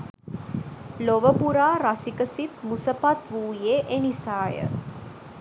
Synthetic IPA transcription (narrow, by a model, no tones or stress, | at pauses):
loʋəpuɾaːɾɐsikəsit̪̚musəpat̪ʋuːjeːʔenisaːjə̰